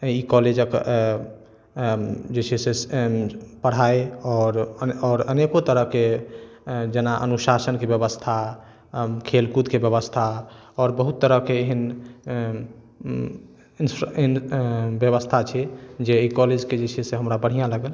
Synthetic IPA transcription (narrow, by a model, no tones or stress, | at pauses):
ikɔled͡ʒək | d͡ʒet͡ʃʰɛse | pəɽ̤aeɔːɾɔːɾənekot̪əɾəɦke | d͡ʒenaʔə̰nuʃasənkebjəbəst̪ʰa | kʰelkut̪kebjəβəst̪ʰa | ɔɾbəɦut̪ːəɾəɦkeːɦən | insnbjəβəst̪ʰat͡ʃʰɛd͡ʒeikɔled͡ʒked͡ʒet͡ʃʰɛseɦəmɾabəɽ̤ijãləɡəl